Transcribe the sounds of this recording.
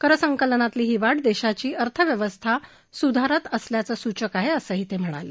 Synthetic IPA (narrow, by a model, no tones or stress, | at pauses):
kəɾəsəŋkələnat̪liːɦiʋaʈd̪eɕat͡ɕiːəɾt̪ʰəʋjəʋəst̪ʰa | sud̪ʱaɾat̪əsljat͡səːsut͡ɕəkaɦeəsəːɦit̪em̤əɽ̃a̰lḛ